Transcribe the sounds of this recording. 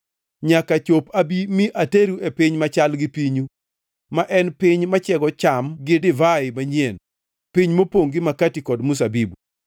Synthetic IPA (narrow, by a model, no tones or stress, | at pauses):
ɲakat͡ʃopabimiʔateɾuepɪɲmat͡ʃalɡɪpiɲu | maʔɛnpɪɲmat͡ʃɛɡɔt͡ʃamɡɪdɪvaɪmaɲjen | pɪɲmopoŋɡɪmakatikɔdmus̬abibu